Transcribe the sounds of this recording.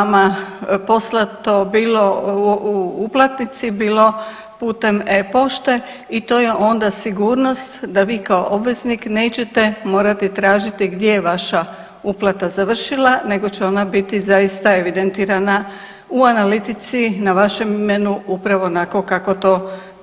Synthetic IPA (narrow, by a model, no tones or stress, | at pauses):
amapo̞slˠat̪o̞biːlo̞uuplˠat̪nit̪sibiːlo̞ | puːt̪e̞mepo̞ʃt̪e̞ | it̪o̞ːje̞ʔo̞nd̪asiɡuːɾno̞st̪d̪aʋiːkao̞̰ʔo̞bʋe̞znikne̞ːt͡ɕe̞t̪e̞mo̞ːɾat̪it̪ɾaːʒit̪iɡd̪je̞jeʋaʃa | uplˠat̪azaʋr̩ʃilane̞ɡo̞t͡ɕeo̞nabit̪izajist̪ae̞ʋid̪ent̪iːɾana | uanalit̪it̪sinaʋaʃe̞mime̞nuupɾaʋo̞nako̞kako̞t̪o̞